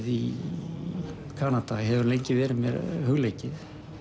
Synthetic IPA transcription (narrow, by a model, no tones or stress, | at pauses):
ði | kʰaːnat̪aɦɛvʏɾlejɲcɪvɛːɾɪmɛ̰ɾhʏɣlejcɪθ